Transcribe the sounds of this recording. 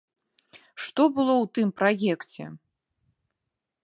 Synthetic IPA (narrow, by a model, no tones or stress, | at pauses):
ʂt̪ɔbɨlˠɔwt̪ɨmpɾajɛkt͡sʲɛ̰